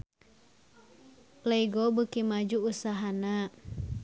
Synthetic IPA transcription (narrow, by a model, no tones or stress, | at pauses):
leiɡɔbəkimad͡ʒuːsaɦana